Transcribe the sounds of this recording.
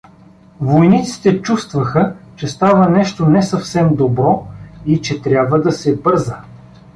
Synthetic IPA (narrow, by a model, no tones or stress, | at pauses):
vojnit̪si̥t̪ɛt͡ʃust̪vɐxət͡ʃɛst̪avənɛʃt̪onɛsɐfsɛmd̪obɾɔit͡ʃɛt̪ɾʲabvəd̪ɐsɛbɤɾzə